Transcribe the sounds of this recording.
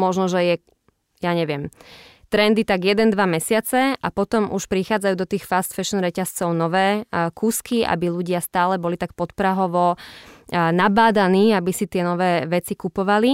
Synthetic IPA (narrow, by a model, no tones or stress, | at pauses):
mɔʒnɔʒɛjɛ | jaɲɛʋɪɛmt̪ɾɛnd̪it̪aɡjɛd̪ɛnd̪ʋamɛsɪat͡sɛʔapɔt̪ɔmʔuʃpɾixaːd͡zajuːd̪ɔt̪iːxfast̪fɛʃɔnɾɛcast͡sɔʊnɔʋɛːkʰuːskiʔa̰biluɟɪast̪aːlɛbɔlit̪ak̚pɔt̪pɾaɦɔʋɔ | nabaːd̪aniːabisit̪ɪɛnɔʋɛːʋɛt͡sikupɔʋali